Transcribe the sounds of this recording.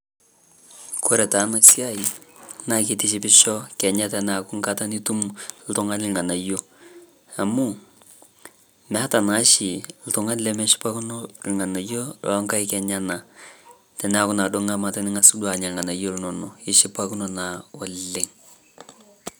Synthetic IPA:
ko˦ɾɛ˨ta˨˦na˨si˦a˦i˨na˨ke˦tɪ˦ʃɪ˦pɪ˦ʃɔ˦kɛ˨ɲa˦tɛ˨na˨kʊ˦ŋkata˦ni˦tu˦ml̩˦tʊ˦ŋa˦nɪ˨lŋa˨na˨jo˦ | a˨mʊ˦ | mɛ˨a˦ta˨na˦ʃi˨l̩˦tʊ˨ŋa˦nlɛ˦mɛ˦ʃi̥˦pa˦ku˦nɔ˦ŋa˨na˨jo˦lɔ̰˦ŋka˦i˦kɛ˨ɲa˦na˨ | tɛ˨nɛa˨kʊ˦na˨do˦ŋa˦ma˨ta˦nɪ˦ŋa˦su˦dwa˨ɲa˨lŋa˨na˨jo˦lnɔ˨nɔ˨ɪ˦ʃɪ˦pa˦ku˦nɔ˨na˨ɔ˨le˨ŋ

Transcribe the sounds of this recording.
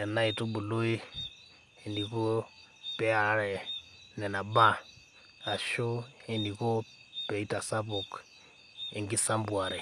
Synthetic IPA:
nɛ˨na˦i˨tu˦bu˨lu˦i˦ | ɛ˨ni˨ko˦ | pɛ˦a˨˦ɾɛ˨ | nɛ˨na˨ba˦ | a˨ʃo˦ɛ˨ni˨ko˦ | pɛ˨i˦ta˨sa˦po˨k | ɛ˨ŋɡi˦sa˦mbu˨a˨ɾɛ˨

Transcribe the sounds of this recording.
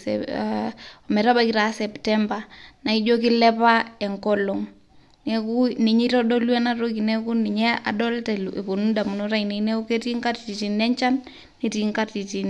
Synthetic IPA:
s | ɔ˨mɛ˨ɾa˦ba˨ki˦ɾa˨sɛ˨ptɛ˦mba˨na˨i˦d͡ʒo˦ki˦lɛ˦pa˦ɛ˨ŋkɔ˦lɔ˨ŋ | nɛ˨ku˦ni˨ɲi˦ɾɔ˦dɔ˦lwɛ˦na˦ɾo˦ki˨nɛ˦ku˦ni˨ɲɛ˦a̰˨dɔ˦ltɛ˨lʔe˨po˨nu˦nda˨mu˨no˦ɾa˦ini˨˦nɛ˦ku˦ke˦ti˦ŋka˦tti˨ti˨nɛ˦ɲt͡ʃa˦nː | i˨ti˨ŋka˦ti˨ti˨n

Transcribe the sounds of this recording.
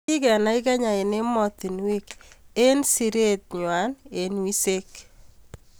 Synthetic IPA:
i˦kɛ˨na˦ɪ˦ka˦ɲa˨ɪ˨ne˦mɔ˦t̪i˨nwi˦ke˦nsi˨ɾe˦t̪̚ɲwa˨˦ne˨nwi˦se˦k

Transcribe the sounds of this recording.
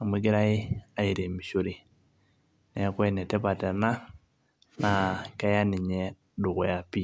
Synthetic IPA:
a˨mwe˨˦ke˦ɾa˦ɪ˦a˨i˨ɾe˨mi˨ʃo˦ɾi˨ | nɛ˨a˦kwɛ˦˨nɛ˨tɛ˦pa˨tɛ˨na˦ | na˨ka˦ja˦ni˨ɲɛ˦ | dʊ˨ɣɔ˨ja˨pi˦˨

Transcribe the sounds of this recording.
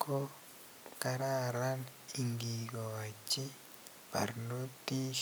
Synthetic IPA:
ko˦ | ka˦ɾa˦ɾa˦ni˨ŋɡi˨ɣɔ˨a˨t͡ʃi˦ | pa̰˨ɾno˦ti˦ʃ

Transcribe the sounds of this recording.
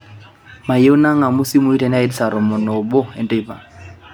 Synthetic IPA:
ma˨je˦u˦na˦ŋa˨mʊ˦si˦mu˦i˦ta˨n˦a˦i˦dsa˨ɾɔ˨mɔ˨nɔ˨bɔ˦ɛ˨ntʼɔ˦i˨pa˨

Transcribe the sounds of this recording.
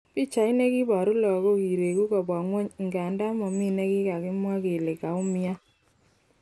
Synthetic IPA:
pi˦t͡ʃa˨i˦ne˦ki˦ba˨ɾʊ˦lɔ˨ko˦ki˨ɾe˨ku˦kɔ˨bwa˨ŋwo˦ɲ˨ŋɡa˨nda˦mɔ˨mi˦ne˦kɪ˦ka˨kɪ˦mwa˦ke˨le˨ka˨ʊ˦mɪ˦a˦

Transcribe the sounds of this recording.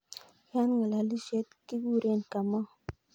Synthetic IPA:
ja˦nŋa˨la˨li˦se˦t̪ki˦ɡu˦ɾe˦˨nka˨mɔ˦

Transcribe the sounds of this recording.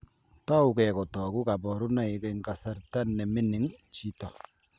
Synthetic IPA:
ta˦u˨kɛ˨kɔ˨tɔ˨ku˦ka˨bɔ˨ɾu˦na˦i˨˦ke˦ŋ̩˦˨ka˨sa˦ɾta˦nːɛ˨mi˦ni˨˦ŋt͡ʃi˦tɔ˨

